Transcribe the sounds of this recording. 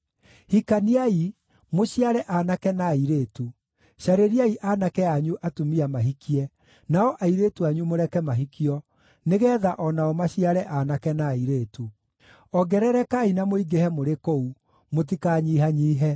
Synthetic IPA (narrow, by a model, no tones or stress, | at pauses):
hikaniai | moɕiaɾɛʔanakɛnaːiɾetu | ɕaɾeɾiaiʔanakɛaɲuʔatumiamaɦikiɛ | naɔʔaiɾetuaɲumoɾɛkɛmaɦikiɔ | neɣɛːðaʔɔnaɔmaɕiaɾɛʔanakɛnaiɾeːtu | ɔɡɛɾɛɾɛkainamoiɡehɛmoɾekou | mot̬ikaɲiːɦaɲiːɦɛ